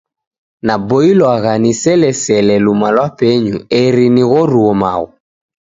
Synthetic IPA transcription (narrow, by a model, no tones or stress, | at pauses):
nabɔilwaɣanisɛlɛsɛlɛlumalwapɛɲuɛɾiniɣɔɾuɔma̰ɣɔ